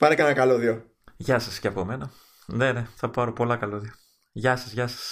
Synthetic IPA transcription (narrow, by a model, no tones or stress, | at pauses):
pɐɾekɐnɐkɐloðio | ʝɐsɐsceɐpo̞me̞nɐ | neneθɐpɐɾo̞po̞lɐkɐloðio | ʝɐsɐzʝɐsɐ̥s